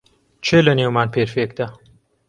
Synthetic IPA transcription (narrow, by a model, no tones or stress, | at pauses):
t͡ʃʰelɐnewmaːnpʰeːɾfeːk̚d̪aː